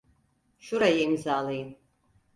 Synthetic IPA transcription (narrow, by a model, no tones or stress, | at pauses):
ʃuɾajɛmzaːliːn